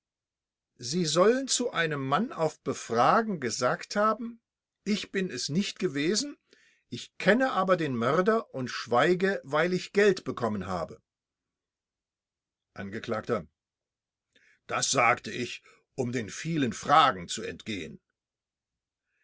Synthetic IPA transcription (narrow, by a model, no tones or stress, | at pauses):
ziːzɔlənt͡suʔaɪnəmːanaʊfb̥əfʁ̥aːɡŋ̩ɡəzaːkthaːbm̩ | ʔɪçb̥ɪnɛsnɪçtɡ̥əveːzn̩ | ʔɪçkʰɛnəʔaːbɐdeːnmœʁdɐʔʊntʃv̥aɪɡəvaɪlɪçɡ̥ɛltb̥əkʰɔmənɦa̰ːbə | ʔanɡəkl̥aːktɐ | d̥asz̥aːktəʔɪç | ʔʊmdeːnfiːlənfʁ̥aːɡŋ̩t͡suɛ̰ntɡ̥eːə̰n